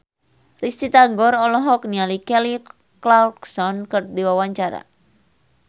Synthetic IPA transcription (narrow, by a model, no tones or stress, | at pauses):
rist̪it̪aɡɔɾɔlɔɦɔk̚nialikɛli | klalksɔnkɨrdiwawaɲt͡ʃaɾa̰